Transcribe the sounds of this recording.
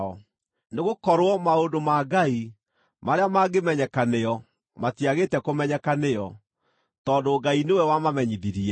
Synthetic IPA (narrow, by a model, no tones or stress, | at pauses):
ɔ | neɣokɔɾwɔmaondomaɡai | maɾeamaɡemɛɲɛkaneɔ | matiaɣetɛkomɛɲɛkanejɔ | tɔːndoːɡainewɛwamamɛɲiðiɾiɛ